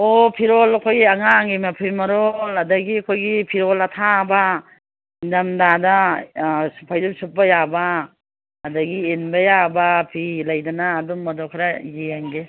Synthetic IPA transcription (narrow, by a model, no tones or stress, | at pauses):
opʰiɾɔlɐkʰojɡiaŋaŋɡimapʰijmɐɾolɐdɐɡiɐkʰojɡipʰiɾɔlɐtʰaba | indamdada | supʰajdupsup̚bajabaː | dɐɡienbɐjabapʰilajdɐnaːdumːɐdɔkʰaɾajeaŋɡe